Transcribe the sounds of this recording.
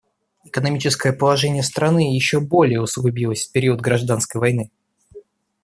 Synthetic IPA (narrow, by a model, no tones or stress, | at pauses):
ɪkənɐmʲit͡ɕɪskəjəpəlˠɐʐɛnʲɪjəst̪ɾɐnɨjɪɕːobo̞lʲɪjəʊsʊɡʊbʲilˠəsʲfpʲɪɾʲiəd̪̚ɡɾɐʐd̪anskəjvɐjnɨ